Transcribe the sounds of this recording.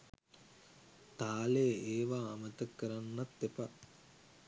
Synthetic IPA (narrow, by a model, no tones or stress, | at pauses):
t̪aːleeːʋaːmət̪əkːəɾanːat̪ːepa